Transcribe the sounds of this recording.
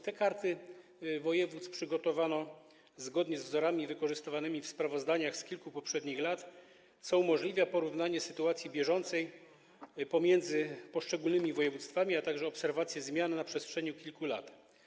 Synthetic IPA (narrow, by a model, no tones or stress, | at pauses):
t̪ɛkaɾt̪ɘvɔjɛvut̪spʂɘɡɔt̪ɔvanɔ | zɡɔd̪ɲɛzvzɔɾamʲivɘkɔʐɘst̪ɘvanɘmʲifspɾavɔzd̪aɲaxskʲilkupɔpʂɛd̪ɲixlat̪ | t̪sɔumɔʐlʲivʲjapɔɾuvnaɲɛsɘt̪uat̪sʲjibʲjɛʐɔnt̪sɛj | pɔmʲjɛnd̪zɘpɔʂt͡ʂɛɡulnɘmʲivɔjɛvut̪st̪famʲiat̪aɡʐɛɔpsɛɾvat̪sʲjɛzmʲjannapʂɛstʂɛɲukʲilkula̰t̪